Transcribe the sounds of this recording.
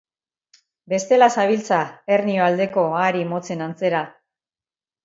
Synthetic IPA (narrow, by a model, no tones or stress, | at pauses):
be̞st̪e̞lasaβ̞ilt͡sae̞rnioald̪e̞ko̞aɾimo̞t͡se̞nant͡se̞ɾa